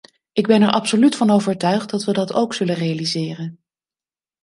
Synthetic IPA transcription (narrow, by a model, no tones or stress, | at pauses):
ʔɪɡbɛnɛɹʔɑpsolytfɑnowvəɹtœɥχt̚dɑtʋədɑtowksɵlənrejalizɪːrən